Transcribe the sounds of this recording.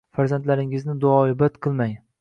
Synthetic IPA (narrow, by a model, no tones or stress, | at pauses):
faɾzant̪laɾɪŋɪznɪd̪ʊɒɪbat̪qʰɨlˠmaj